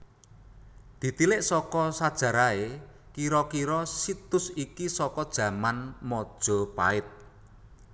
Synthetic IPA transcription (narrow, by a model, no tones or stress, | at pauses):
d̪̥i̤t̪ilɪʔsɔkɔsad̥ʒ̥a̤ɾae | kiɾɔkiɾɔsit̪ʊsikisɔkɔd̥ʒ̥ä̤manmɔd̥ʒ̥ɔ̤pa̰ɪt̪̚